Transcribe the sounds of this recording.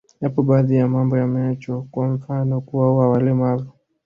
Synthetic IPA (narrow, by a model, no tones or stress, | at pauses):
japɔɓaːðijamambɔjamat͡ʃɔkwam̩fanɔkuwauwawalɛmavu